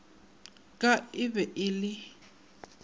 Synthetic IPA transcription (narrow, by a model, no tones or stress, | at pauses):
kʼaɪbɛʔɪlɪ